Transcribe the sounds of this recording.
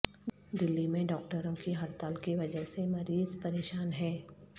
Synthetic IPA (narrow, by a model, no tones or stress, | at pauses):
d̪ɪlːimẽɖɔːk̚ʈəɾõkiɦɐɾt̪aːlkiʋɐd͡ʒəɦsemɐɾiːzpɐɾeːʃaːnɦɛː